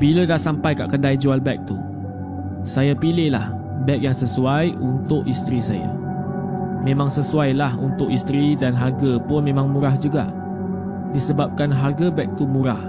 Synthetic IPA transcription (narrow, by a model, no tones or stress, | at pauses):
bilədaʔsampajka̰ʔkədajd͡ʒualbɛk̚t̪u | sajapilɪhlah | bɛk̚jaŋsəsuajunt̪ʊʔist̪ɾisa̰ja̰ | mẽmãŋsəsuajlahunt̪ʊkist̪ɾidanɦarɡapʊnmẽmãŋmũɾahd͡ʒuɡa̰ʔ | disəbap̚kanɦarɡabɛk̚t̪umũɾah